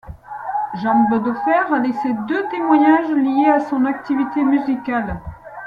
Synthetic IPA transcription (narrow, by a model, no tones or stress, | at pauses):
ʒɑ̃bɔd̪ɔfɛʁalesed̪øt̪emwaɲaʒlijeasɔ̃nak̚t̪ivit̪emyzikʲal